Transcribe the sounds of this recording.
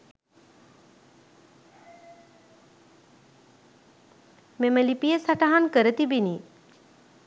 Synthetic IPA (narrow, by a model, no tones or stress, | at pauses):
meməlipijəsaʈaɦankəɾət̪ibini